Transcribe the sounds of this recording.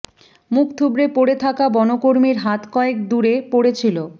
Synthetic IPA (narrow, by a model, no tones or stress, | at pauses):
mukt̪ʰubɾepoɽet̪ʰakabɔnokoɾmiɾɦat̪kɔek̚d̪uɾepoɽet͡ɕʰilo